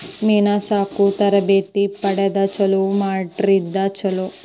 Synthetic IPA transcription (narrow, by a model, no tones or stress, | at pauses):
miːnasaːkut̪ɐɾɐbeːt̪ipɐɽɐd̪ɐt͡ʃɐlumaːʈɾid̪at͡ʃɐlu